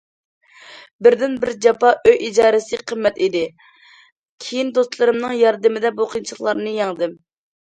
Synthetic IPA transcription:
bɪɾd̪ɪnbɪɾd͡ʒɑpɑʔøjʔid͡ʒɑːɾɨsɨqʰəmːɛt̪id̪ɪ | kʲʰijind̪ost̪lˠɨɾɨmnɨŋjɑɾd̪ɪmɪd̪ɛbuqʰint͡ʃʰχlˠɑɾnɨjɑŋd̪ɨm

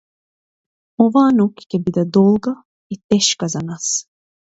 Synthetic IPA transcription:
ovaːnoki̥cʲɛbid̪ad̪olˠɡa | it̪ːɛʃkazanas

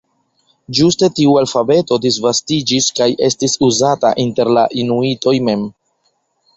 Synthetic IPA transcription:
d͡ʒuste̞tiualfabe̞to̞disvastid͡ʒiskajʔe̞stisuzata̰ʔinte̞ɾlaʔinuito̞jme̞m

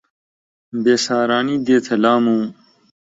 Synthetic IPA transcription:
beːsaːɾaːniːd̪eːt̪ʰɐlaːmũː

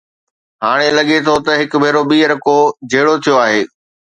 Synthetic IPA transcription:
ɦaːɽ̃elɐɠet̪ʰot̪ɐɦɪkʊbʱeːɾoɓiːəɾɐkod͡ʑeːɽot̪ʰijoaːɦeː

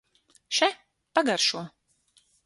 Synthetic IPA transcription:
ʃɛ | paɡaɾʃuɔ

